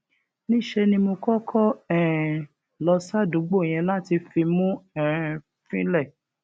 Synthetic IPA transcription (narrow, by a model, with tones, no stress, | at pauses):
nĩ˦˨ʃe˧nĩ˧mo˧kɔ˦kʰɔ˦ɛ˨ | lɔ˧sa˦du˨˦ɡ͡bo˦˨j̃ɛ̃˧la˦ti˧fi˧mũ˦ɛ̃˦˨ | fĩ˦lɛ˦˨